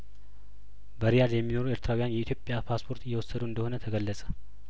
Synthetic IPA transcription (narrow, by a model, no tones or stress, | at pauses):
bəɾijaljɛmːino̞ɾueɾt̪ʰɾawijanjɛit̪ʰjopʼːjapʰaspʰo̞ɾt̪ɨjːɛwɔsːəd̪uɨnd̪əho̞nət̪ʰəɡəlːəsʼə̥